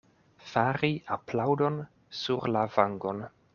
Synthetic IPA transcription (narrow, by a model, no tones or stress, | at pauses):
faɾiaplawdo̞n | suɾlavaŋɡo̞n